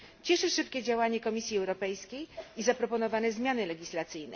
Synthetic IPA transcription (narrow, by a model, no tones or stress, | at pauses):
t͡ɕɛʂɘʂɘpkʲɛd͡ʑawaɲɛkɔmʲisʲjiɛwɾɔpɛjskʲejizapɾɔpɔnɔvanɛzmʲjanɘlɛɡʲislat̪sɘjnɛ̰